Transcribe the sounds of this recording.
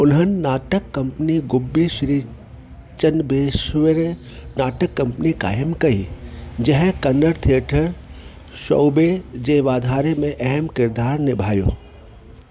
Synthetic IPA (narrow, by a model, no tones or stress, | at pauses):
ʊnɦənɪ̆naːʈəkːɐmpniɡʊbːiʃɾiː | t͡ʃənbeːʃʋəɾ | naːʈəkːɐ̃mpənika̰ːjəmkɐḭd͡ʒɐɦkɐnːəɾt̪ʰieːʈʰəɾ | ʃɔ̰wbed͡ʒeːʋaːd̪ʱaːɾemẽʔɛɦɛmkɪɾd̪aːɾnɪbʱaːjo̰ː